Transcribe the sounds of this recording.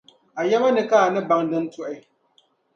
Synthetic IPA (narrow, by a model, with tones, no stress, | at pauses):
a˨jɛ˦ma˦nɨ˨ka˦a˨nɨ˦ba˦ŋdɨ˦n˦tʊ˦ʔɪ˦